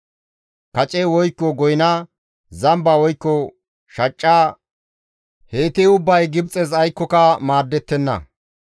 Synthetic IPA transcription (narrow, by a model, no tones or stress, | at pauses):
kɐt͡ʃʼewɔjkːɔɡɔjɪnɐ | zɐmbɐwɔjkːɔ | ʃɐt͡ʃʼːaː | heːt̪ɪʊbːɐjɡɪbt͡sʼɛzɐjkːɔkɐmaːd̪ːɛt̪ːɛnːɐ̰